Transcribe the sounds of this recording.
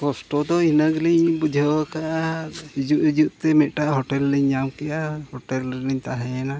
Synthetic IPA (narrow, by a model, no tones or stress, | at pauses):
kɔsʈɔd̪ɔinaɡliɲbud͡ʒʱawakaʔaid͡ʒuʔid͡ʒuʔt̪ɛmɛʔ̪̚ʈaʔɦɔʈɛlliɲːamkɛjahɔʈɛlɾiɲt̪aɦɛna